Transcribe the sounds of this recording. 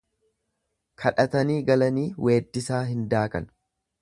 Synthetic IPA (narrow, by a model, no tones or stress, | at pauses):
kʰɐᶑɐt̪ɐniːɡɐlɐniːwe̞ːd̪ːɪsaːɦɪnd̪aːkʼɐn